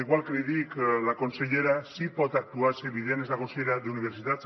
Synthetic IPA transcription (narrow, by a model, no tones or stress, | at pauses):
iɣwalkɾiðiklako̞nseʎe̞ɾasipot̪ak̚t̪uaseβiðeanezlakonsejeɾad̪euniβ̞eɾsit̪at͡s